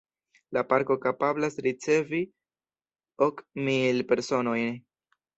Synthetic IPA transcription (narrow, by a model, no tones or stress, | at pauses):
lapaɾko̞kapablasɾit͡se̞vi | o̞kmilpe̞ɾso̞no̞jn